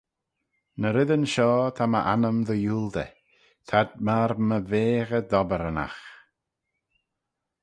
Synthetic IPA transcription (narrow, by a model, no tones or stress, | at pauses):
nəɾɪðənʃɔːt̪ʰaməʔa̰nəmðəjuːlˠd̪ə̰ | t̪ʰad̪̚maɾməveːɣəd̪ɔbəɾəna̰x